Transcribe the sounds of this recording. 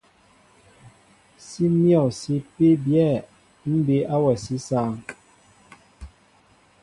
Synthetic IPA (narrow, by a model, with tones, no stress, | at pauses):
si˦mjɔ˨si˦pe˦bjɛ˦˨ | m̩˦be˨˦ʔa˦wɛ˨si˦saː˦˨ŋ